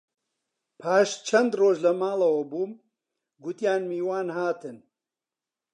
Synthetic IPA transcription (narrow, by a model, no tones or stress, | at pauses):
pʰaːʃt͡ʃʰɐnd̪roːʒlɐmaːlˠɐwɐbuːm | ɡʊt̪jaːnmiːwaːnhaːt̪ɨn